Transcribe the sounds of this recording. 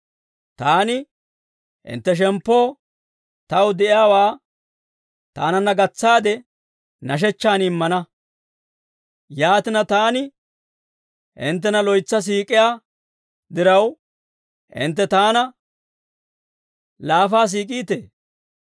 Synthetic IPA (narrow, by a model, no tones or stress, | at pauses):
t̪aːnɪ | ʔɪ̰nt̪ːɛʃ̬ɛmpːo̞ː | t̪ɐwd̪ɛʔɪjaːwaː | t̪a̰ːnɐnːɐɡɐt͡sːaːd̪ɛ | nɐʃ̬ɛt͡ʃːaːnɪmːɐnɐ | jaːt̪ɪnɐt̪aːnɪ | ʔɪ̰nt̪̬ːɛnɐlɔjt͡sːɐs̬iːkʼːɪjaː | d̪ɪɾɐw | ʔɪ̰nt̪ːɛt̪aːnɐ | laːfaːs̬iːkʼiːt̪eː